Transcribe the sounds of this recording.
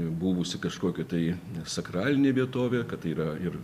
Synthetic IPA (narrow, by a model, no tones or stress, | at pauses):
buːʋʊsʲɪkɐʃkoːkʲɛt̪ɐɪsɐkɾɑːlʲɪnʲeːʋʲiɛt̪oːʋʲeːkɐt̪ɐɪiːɾɐɪr